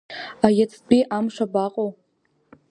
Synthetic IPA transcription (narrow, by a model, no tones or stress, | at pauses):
ajat͡sʰʼpʼiʔamʂʷabaqʼow